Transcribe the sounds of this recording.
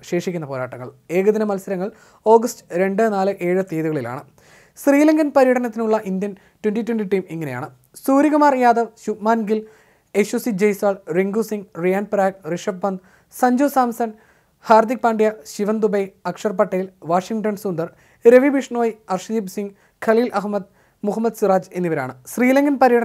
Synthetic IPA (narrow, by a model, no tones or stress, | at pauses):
ɕe̞ːʂikʲːunːɐpoːɾaːʈːɐŋːɐ̰ɭ | e̞ːɣɐðinɐmɐlsɐɾɐŋːɐɭ | o̞ːɡɐstɨ̥ɾe̞ɳɖɨnaːlɨʔe̞ːɻɨt̪eːðuɣɐɭila̰ːɳɨ | sriːlɐŋɡɐnpɐɾijɐʈɐnɐt̪̬ːinuɭːɐʔind̪jɐn | twenʈitwenʈiʈiːmiŋːɐneja̰ːɳɨ | suːɾiɣɐmaːrjaːd̪ɐʋɕupmaːnɡil | eɕusid͡ʑejsʋaːɭriŋɡusiŋɡrijaːnpɾaːɡ̚riʂɐbbɐnd̪ | sɐɲd͡ʑoːsaːmsɐn | haːrd̪ik̚paːɳɖijɐɕiʋɐnd̪ubɐjɐkʂɐrpɐʈːɐjilʋaːʂiŋʈɐnsund̪ɐr | ɾeʋibiʂɳoːjiɐrʂɐd̪ibsiŋɡ | kʰɐɭiːlʔɐɦmɐd̪ | muɦɐmːɐd̪suraːd͡ʑe̞nːiʋɐɾa̰ːɳɨsriːlɐŋɡɐnpɐɾijɐʈɐ